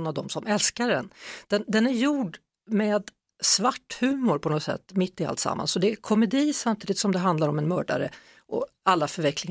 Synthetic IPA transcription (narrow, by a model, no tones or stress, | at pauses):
nːavd̪ɔmsɔmɛlskaɾɛnd̪̥ɛnd̪ɛnæɾjuːɖ | meːd̪ | svaʈːhʉ̟ːmʊɾpʰɔnɔsɛ̰t̪ːmɪt̪ːɪa̰lt̪sa̰mːa̰nsɔd̪ɛkʰɔmɛd̪iːsamt̪ʰiːd̪ɪt̪sɔmd̪ɛɦand̪laɾɔmɛnmœːɖa̰ɾə | ʔɔ̰ | alːafœɾɛklɪŋ